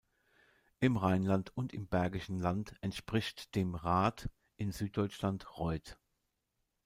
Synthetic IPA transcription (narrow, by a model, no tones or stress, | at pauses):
ʔɪmʁaɪnlantʰʊntɪmbɛɐɡɪʃn̩lantɛntʃpʁ̥ɪçtd̥eːmʁaːt | ʔɪnzyːt̚d̥ɔʏt͡ʃlantʁɔʏt